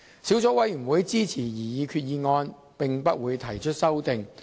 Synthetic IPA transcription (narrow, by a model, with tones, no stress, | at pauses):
siː˨˥wt͡sɔː˨˥wɐ˨˥jɥy˨˩nwuː˨˥jt͡siː˥t͡sʰiː˨˩jiː˨˩jiː˨˧kʰyː˧t̚jiː˨˧ŋɔː˧n | pɪ˨ŋpɐ˥t̚wuː˨˧jt̪ʰɐ˨˩jt͡ʃʰɵ˥t̚sɐ˥wt̪ɪ˨ŋ